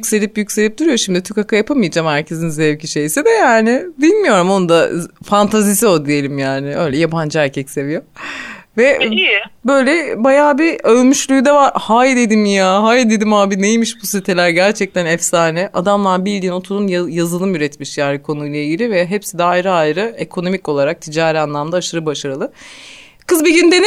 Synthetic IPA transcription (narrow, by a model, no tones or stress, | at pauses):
jycʲse̞lʲipjycʲselʲip̚d̪̥uɾujo̞ʃimd̪it̪ʰykakʰajapʰamɯjad͡ʒamhæɾcʰe̞zinzɛvciʃejsid̪ɛjaːnɪbilʲmijo̞ɾumo̞nd̪afant̪ʰazis̬io̞d̪ije̞lʲimjaːnɪø̞jlʲɛjaband͡ʒaæɾcʰɛcse̞vijo̞vɛ | bø̞jlʲɛbajaːbiøːmyʃlʲˠyjd̪avaɾhaːjd̪ed̪imijaːɦajd̪e̞d̪imaːbinejmiʃbusit̪ʰelʲæɾɟæɾt͡ʃʰɛc̚t̪ʰænɛfsaːnɛʔad̪amlˠaɾbilʲd̪iːno̞t̪ʰuɾunjjazɯlˠɯmjyɾɛt̪miʃjaːɾʲikʰo̞nujlˠaiɟilʲivɛɦepsid̪ɛajɾɯajɾɯekʰo̞no̞mico̞lˠaɾak̚t̪ʰid͡ʒaːɾianlˠamd̪aːʃɯɾɯbaʃaɾɯlˠɯ | kɯzbiɟind̪en